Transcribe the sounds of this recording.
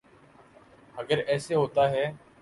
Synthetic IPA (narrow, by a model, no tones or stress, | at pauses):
həɡəɾɛːseːɦoːt̪aːɦɛː